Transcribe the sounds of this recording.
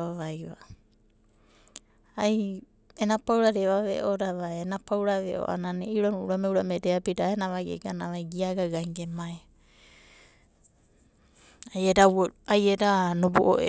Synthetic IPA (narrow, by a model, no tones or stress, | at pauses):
aβajβa̰ | aj | enapawɾaɾeβaβḛʔoɾaβaeenapawɾaβḛʔo̰ʔa̰naneiɾonuuɾameuɾamedeapitaenaβaɡḛɡanaβajɡiaɡaɡaŋɡemaj | ajedaajedanoboʔo̰ʔe